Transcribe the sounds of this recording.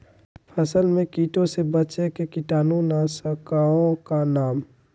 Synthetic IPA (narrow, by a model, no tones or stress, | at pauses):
pʰəsəlmẽkiːʈõsebət͡ʃekekɪʈaːnõnasəkaõkanaːm